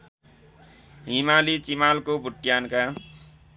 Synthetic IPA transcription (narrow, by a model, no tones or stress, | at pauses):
ɦimalit͡simalkobʱuʈːjanka